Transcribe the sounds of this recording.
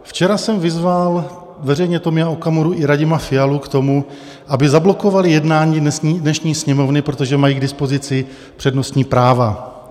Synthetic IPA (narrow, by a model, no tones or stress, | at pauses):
ft͡ʃɛɾasɛmvɪzval | vɛrɛjɲɛt̪omaokamoɾuʔɪɾaɟɪmafɪjalukt̪o̞mu | ʔabɪzablo̞ko̞valɪjɛdnaːɲiːsdnɛʃɲiːsɲɛmo̞vnɪpɾo̞t̪o̞ʒɛmajiːɡdɪspo̞zɪt͡sɪ | pr̥ɛdno̞st̪ɲiːpɾaːva